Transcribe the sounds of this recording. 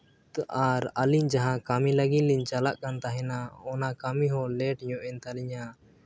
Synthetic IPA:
aɾaliɲd͡ʒaɦãkamiləɡinliɲt͡ʃalaʔkant̪aɦɛnaɔnakamiɦɔlɛʈɲɔ̃ʔɛnt̪aliɲa

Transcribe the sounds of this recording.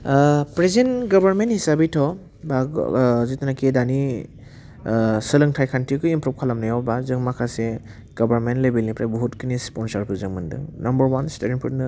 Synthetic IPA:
pɾezenɡɔbaɾmenthisabitʰɔ | bazitanakedani | sɯlɯŋtʰajkʰantʰikɯimpɾup̚kʰalamnajawbazɯŋmakʰase | ɡ̥ɔbaɾmentlebelnipɾajbɔɦutkɯnispɔnsaɾpʰɯzɯŋmɯndɯ̰ŋnambəɾwansteɾinpʰutnɯ

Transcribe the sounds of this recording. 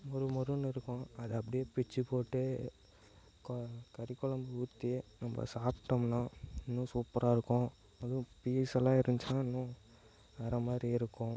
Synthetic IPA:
mɔɾɯmɔɾɯnːɪɾɯkːʊ̃ɐðɯɐpːɐɽɪjeːpɪt͡ʃːɯpoːʈːɯ | kkɐɾɪkːɔɭɐmbɯut̪ːinɐmbɐ̰saːpʈːɐmnãːɪnːũsuːpːɐɾʔaːɪɾɯkːʊ̃ | ɐðʊ̃piːɛsɐlãːɪɾɯɲt͡ʃãːɪnːũ | ʋɛɾɐmaːd̪ɾiɪɾɯkːʊ̃

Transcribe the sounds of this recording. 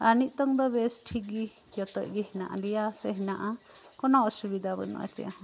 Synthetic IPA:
anit̪̚ˀt̪ɔŋd̪ɔbesʈʰiɡi | jɔt̪ɔʔɡiɦina̰ʔa̰lijaseɦinaʔa | kɔnɔɔsubid̪ʱabɔnṵʔa̰t͡ʃɛ̰

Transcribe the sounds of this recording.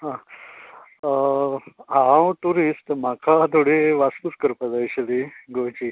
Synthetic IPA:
ɦã | ɦãwʈuɾisʈm̤akʰat̪ʰoɽeʋast̪uskəɾpad͡zajɕeliɡot͡ɕi

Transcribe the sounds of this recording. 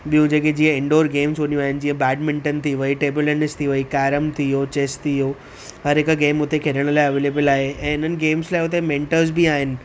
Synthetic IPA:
ɓijũd͡ʑeːked͡ʑiːə̃ɪ̃ɳɖoːɾɡeːmsonijũaːɦɪnɪ̆d͡ʑĩːə̃bɛːɖmɪ̃ɳʈənt̪ʰiʋəiʈeːbʊlənɪst̪ʰiʋəikaːɾəmt̪ʰiot͡ɕeːst̪ʰiɦoː | ɦɐɾɦɪkɡeːmʊt̪ekʰeɾəɽ̃laːɪɐʋeːleːbəlaːɦeɛ̃ːɪn̤ənɪ̆ɡeːmslaːɪʊt̪̬emẽːɳʈəɾzbiaːɦɪnɪ̆

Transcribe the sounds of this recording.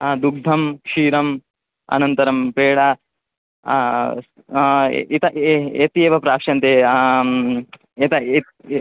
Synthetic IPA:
d̪uɡ̚d̪ʱɐmkʂiːɾɐm | ɐ̰nɐnt̪ɐɾɐmpeːɽa | it̪ɐʔet̪eːʋɐpɾaːkʂɐnt̪eː | et̪ɐ

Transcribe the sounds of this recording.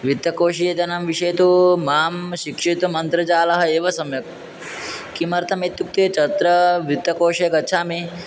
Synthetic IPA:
ʋit̪ːɐkoːʃijɐt̪ɐnɐmʋiʂɐjt̪umaːmʃikʂet̪umɐnt̪ɾɐt͡ʃaːlɐɦɐeːʋɐsɐmjɐk̚ː | imɐɾt̪ʰɐmeːt̪juk̚t̪eːt͡ʃɐt̪ɾɐʋit̪ːɐkoːʃɐjɐɡɐtːʃʰaːmi

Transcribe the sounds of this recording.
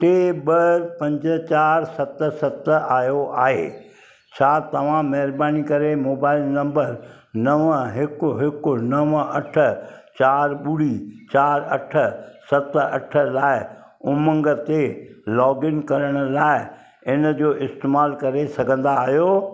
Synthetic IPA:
ʈeːɓɐɾpɐ̃ɲd͡ʑə̆t͡ɕaːɾsɐt̪̆sɐt̪aːjoʔaːɦḛː | t͡ɕʰaːt̪ɐʋ̤ãmɐɦɪɾbaːnikɐɾemoːbaːɪlnɐ̃mbəɾ | nɐʋəɦɪkʊɦɪkʊnɐʋəɐʈʰə̆t͡ɕaːɾɓʊɽit͡ɕaːɾɐʈʰə̆sɐt̪ɐʈʰəlaːɪ | ʊmə̃ŋɡə̆t̪elɔːɡɪnkɐɾəɽ̃ʊ̆laːɪ | ɪnəd͡ʑoːʔɪst̪eːmaːlkɐɾesɐɡʱə̃nd̪aːɦijoː

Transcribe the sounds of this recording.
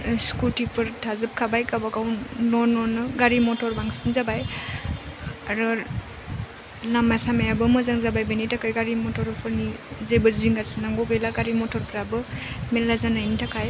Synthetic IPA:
skutipʰɯɾtʰazɯp̚kʰabajkabakawnɔnɔnɯɡaɾimɔtɔɾbaŋsinzabaj | aɾɔ | lamajsamajabɯmɯzaŋzabajbenitʰakajɡaɾimɔtʰɔɾpʰɯɾnizebɯziŋɡasinaŋɡɔɡejlaɡaɾimɔtʰɔɾpʰɾabɯmelazanajnitʰakʰaj

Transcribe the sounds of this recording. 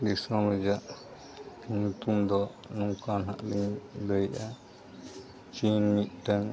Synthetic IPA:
d̪isamɾud͡ʒaʔ | piɲut̪umd̪ɔ | nuŋkanɦa̰ʔliɲləjʔa | t͡ʃinmit̪̚ʈəŋ

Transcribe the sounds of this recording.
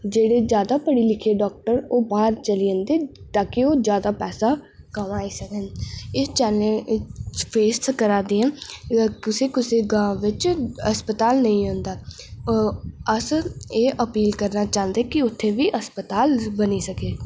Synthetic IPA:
d͡ʒeːɽeːd͡ʒjaːd̪aːpəɽiːlɪkʰeːɖɔːk̚ʈəɾoːbaːɾt͡ʃəliə̃ːnd̪eːt̪aːkɪoːzjaːd̪aːpɛːsaː | kəmaːiːsəkənɪt͡ʃɛːlẽ | pʰeːsʈkəɾaːd̪eːɛ̃ːkɪseːkɪseːɡãːʋɪt͡ʃəspət̪aːlnəĩːɦõːnd̪aː | əseːʔəpiːlkəɾnaːt͡ʃaːənd̪eːkɪʊt̪ʰːẽːʋiːʔəspət̪aːlbəniːsəkeː

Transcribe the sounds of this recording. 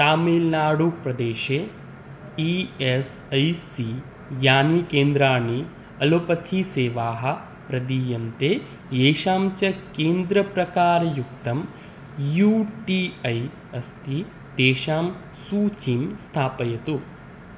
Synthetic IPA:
t̪aːmiːlnaːɽupɾɐd̪eːʃeː | ies | ɐjsi | jaːnikeːnd̪ɾaːɳi | ɐlopɐt̪ʰiseːʋaːɦɐ̆ | pɾɐd̪iːjɐnt̪eː | jeːʃaːmt͡ʃɐkeːnd̪ɾɐpɾɐkaːɾɐjukt̪ɐm | juʈiɐj | ɐst̪i | t̪eːʃaːm | suːt͡ʃimst̪ʰaːpɐjɐt̪u

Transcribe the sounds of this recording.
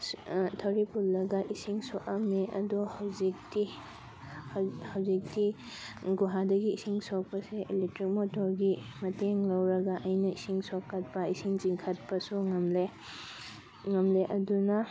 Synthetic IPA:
tʰɐwɾipulːɐɡɐʔisiŋsokɐmleɐ̰dohɐwzik̚ti | hawzik̚ti | ɡuɦadɐɡiːsiŋsok̚pɐseʔelek̚tɾik̚motoɾɡimɐteŋlɐwɾɐɡaʔɐjnɐisiŋsokːɐt̚pɐisiŋziŋkʰɐt̚pɐsuŋɐmle | ŋɐmleʔɐdunɐ

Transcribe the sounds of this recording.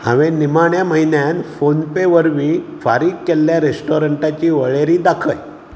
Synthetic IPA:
hã̰ʋẽnimaɳjaməɦinjanfonpeʋəɾmiːfaɾiːkkːelːjaɾesʈoɾəɳʈat͡ɕiːʋəɭeɾiːd̪akʰəj

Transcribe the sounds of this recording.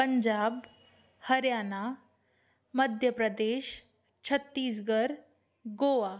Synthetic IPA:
pəɲd͡ʑab | həɾjana | məd̪ʱjəpɾəd̪eɕ | t͡ɕʰət̪ːiːs̬ɡəɾ | ɡoʋa

